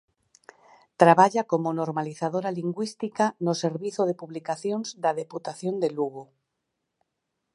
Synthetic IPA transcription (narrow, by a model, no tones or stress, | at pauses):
t̪ɾaβaʎakomonoɾmaliθaðoɾaliŋɡwist̪ikanose̞ɾβiθoð̞epuβlikaθjonzd̪aðeput̪aθjo̞nd̪eluɣu